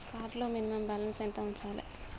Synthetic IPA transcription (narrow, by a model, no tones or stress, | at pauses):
kaːɖloːminimɐmbɐlɐnsent̪ɐuɲt͡ʃaːlɐ̰